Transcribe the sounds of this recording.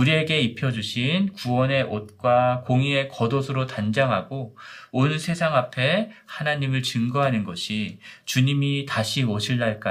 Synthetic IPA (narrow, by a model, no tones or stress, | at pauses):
uɾie̞ɡe̞ipʰjʌd͡ʑuɕʰinkuwʌne̞ʔot̚k͈wakoŋie̞kʌdosʰɯɾotand͡ʑaŋɦaɡoonsʰe̞sʰaŋapʰe̞hanaɲimɯɭt͡ɕɯŋɡʌɦanɯnɡʌɕʰit͡ɕuɲimitaɕʰiʌɕʰiɭːaɭk͈a